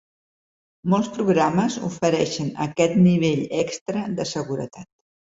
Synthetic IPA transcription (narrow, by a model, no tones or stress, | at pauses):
molˠspɾuɣɾaməzṵfəɾɛʃənə̰kɛt̪niβ̞eʎɛkst̪ɾəðəsəɣuɾə̰t̪at̪